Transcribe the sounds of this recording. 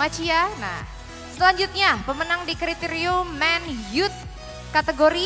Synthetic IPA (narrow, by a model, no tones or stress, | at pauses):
at͡ʃijana̰ | səlaɲd͡ʒut̪̚ɲapəmənaŋdikɾit̪eɾiumːɛnjut̪̚ | kat̪eɡoɾi